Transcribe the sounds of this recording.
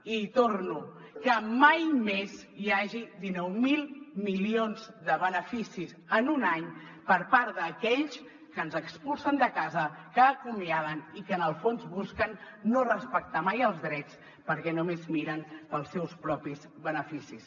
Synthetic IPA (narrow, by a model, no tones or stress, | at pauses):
it̪ornu | kəmajmezjaʒiðinɔwmilˠmilionzd̪əβənəfisizənunaɲ | pəɾpaɾd̪əkɛʎs | kənzəkspulˠsənd̪əkazəkəːkumiaβənikənəlˠfonzβuskənːorəspək̚t̪amajəlˠzðɾɛt͡s | pəɾkɛnumezmiɾənpəlˠsɛwspɾɔpiz | βənəfisis